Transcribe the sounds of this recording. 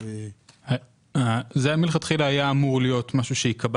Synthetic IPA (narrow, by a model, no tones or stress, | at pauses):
a | azeamilχat̪χilaːjaːmuʁlijo̞t̪maʃuʃeikʰab